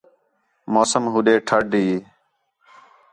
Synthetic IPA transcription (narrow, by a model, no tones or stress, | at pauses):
moːsəmɦuɗeːʈʰəɖʱiː